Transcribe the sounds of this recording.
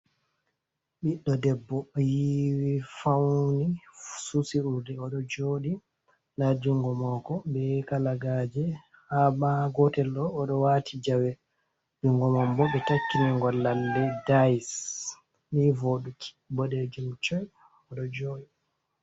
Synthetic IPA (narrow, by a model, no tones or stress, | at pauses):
ɓiɗːɔdɛbːɔjiwifawnisusiuɾdɛɔɗɔd͡ʒoːɗi | ndad͡ʒuŋɡɔmɔkɔɓɛkalaɡad͡ʒɛ | habaɡɔtɛlɗɔːɗɔwatʰid͡ʒawɛ | d͡ʒuŋɡɔmɔmbɔɓɛtakːiniŋɡɔlːalːɛdajs | mivoɗukʰi̥bɔɗed͡ʒumt͡ʃɔj | ɔɗɔd͡ʒoːɗi